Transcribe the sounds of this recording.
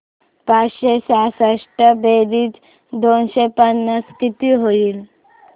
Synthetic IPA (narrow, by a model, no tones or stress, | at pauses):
pat͡sɕesasəʂʈəbeɾiːt͡s | d̪onɕepənːaskit̪iɦoiːl